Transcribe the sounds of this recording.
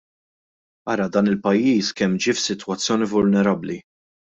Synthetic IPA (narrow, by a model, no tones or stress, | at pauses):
ɐːɾɐd̪ɐːnɪlpɐjːiːskɛmːd͡ʒiːfsɪt̪wɐt͡sːjɔːnivʊlnɛɾɐbli